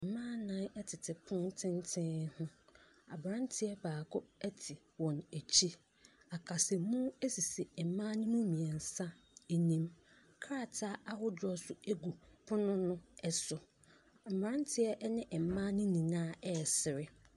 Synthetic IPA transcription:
m̩˨mãː˦nã˦nɛ˦tʰɪ˨tʰɪ˨pʰʊ̃˦ntʰɪ̃˦ntʰɪ̃˦hʊ̃˦ | a˨bɾã˦ntʰɪ˦ɛ˦baː˨kʰʊ˦ɛ˦tʰɪ˨ | wɔ̃˨næ˨t͡ɕʰi˦ | a˨kʰa˨sɛ˨mũ˦e˦si˨si˨m̩˨mã˦nʊ̃˦mʊ̃˦mĩ˨ɛ˨n̩˨sa˦e˨nĩ˦m | kʰa˨tʰa˦a˦hʊ˦dɔ˦sʊ˦e˦ɡu˨pʰʊ˦nʊ̃˦nʊ̃˦ɛ˨sʊ˨ | m˨ã˦ntʰɪ˦ɛ˦ʔnɪ̃˦ʔm̩˨mã˦nɪ̃˦nĩ˨nãː˦ɛ˦˨sɪ˨ɾɪ˦

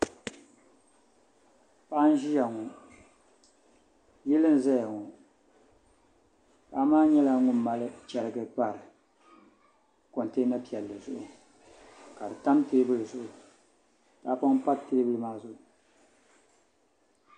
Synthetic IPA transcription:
pa˦ʔn̩˦ʒi˦ja˨ŋʊ˨ | ji˦lɨ˦n˦zɛ˦jŋu˨ | pa˨˦maː˦ɲɛ˦la˦ŋʊ˦mː˦a˦lɨ˦t͡ʃɛ˨ɾɨ˦ɡɨ˨k͡pa˦˨ɾɨ˨ | ko˨n˨teː˦na˦pi˨ɛ˨lːɨ˨zʊ˨ʔʊ˨ | ka˨dɨ˨ta˦mteː˦bɨ˦lɨ˨zʊ˨ʔʊ˨ | ta˨˦pa˦ŋ˦pa˦teː˦bɨ˦lɨ˦maː˦zʊ˨ʔʊ˨

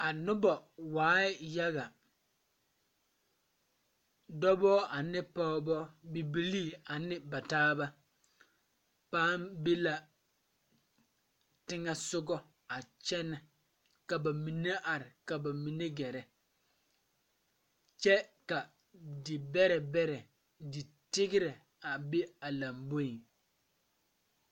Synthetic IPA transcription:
a˨nʊ˦bɔ˨waː˨˦ɪ˦ja˦ɣa˨ | dɔ˦bɔː˦a˨nɪ˦pɔ˦bɔ˦bi˨bi˨liː˦˨a˨nɪ˦ba˨taː˦ba˦ | paː˦mbe˦la˨ | tɪ˦ŋɛ˦sʊ˦ɡɔ˦ | a˨t͡ʃɛ˦nɛ˨ | ka˨ba˨mi˨ne˦ʔa˨ɾɪ˨ka˨ba˨mi˨ne˦ɡɛ˨ɾɛ˨ | t͡ʃɛ˦ka˨ | dɪ˨bɛ˦ɾɛ˨bɛ˦ɾɛ˨ | dɪ˨ | tɪ˦ɡɪ˦ɾɛ˨ | a˨be˦a˨la˨mbo˦i˨

